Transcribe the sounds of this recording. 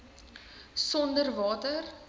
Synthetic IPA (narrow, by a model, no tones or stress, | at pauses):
sɔndərvɑːtər